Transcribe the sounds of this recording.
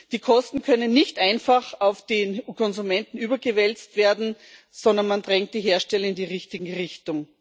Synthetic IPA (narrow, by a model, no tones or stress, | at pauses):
d̥iːkʰɔstn̩kʰœnənːɪçtʔãɪnfaχaʊfd̥eːnkʰɔnzumɛntn̩yːbɐɡəvɛlt͡stv̥eːɐdn̩ | sɔndɐnmandʁɛŋt̚d̥iːɦeːɐʃtɛlɐɪndiːʁɪçtɪɡŋ̩ʁɪçtʊŋ